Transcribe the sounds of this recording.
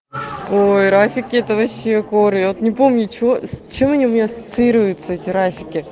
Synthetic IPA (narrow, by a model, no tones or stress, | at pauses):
ojɾafʲɪkʲɪɛt̪əvɐɕːeɐko̞ɾɨjavot̪nʲɪpo̞mnʲʊt͡ɕɪosʲt͡ɕe̞mɐnʲiʊmʲɪnʲasə̥t̪sɨiɾvəjʊt̪səɛtʲɪɾafʲɪkʲɪ